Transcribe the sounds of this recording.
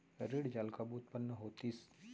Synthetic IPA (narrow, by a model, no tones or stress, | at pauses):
ɾeːɽd͡ʒaːlkabuːt̪̚pənːəɦoːt̪is